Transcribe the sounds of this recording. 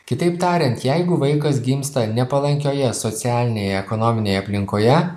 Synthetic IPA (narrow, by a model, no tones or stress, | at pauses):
kʲɪt̪ɐɪpt̪ɑːɾʲɛnt̪jɛɪɡʊʋɐɪkɐsɡʲiːmst̪ɐnʲɛpɐlˠɐŋʲkʲoːjɛsot̪sʲæːlʲɪnʲeːjɛɛkonoːmʲɪnʲeːjɛɐpʲlʲɪŋkoːjɛ